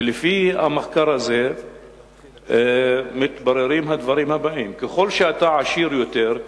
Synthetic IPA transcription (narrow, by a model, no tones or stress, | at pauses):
lːifia̰maxkɑɾˤaze | mɪt̪barˤːɪɾiːmɦad̪vɑɾiːmhabaʔiːmkaxolːʃʔat̪aʕaʃiːɾjʊt̪eːɾ